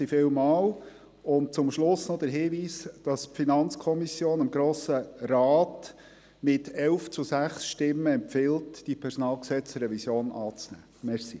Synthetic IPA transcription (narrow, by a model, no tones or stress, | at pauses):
ifɪlmɑːl | ʊnt̚t͡sʊmʃlʊsnɔd̥̪əɾɦiːʋiːsd̥ɑspfinɑnt͡skʰɔmisjoːnəmɡɾoːsəɾɑːt | mɪtʰɛlft͡susæχsʃtɪmːəɛmpfɪltd̥ipʰɛɾsɔnɑːlˠksɛt͡sɾɛvisjoːnɑːt͡snæ̰ː | mɛɾsi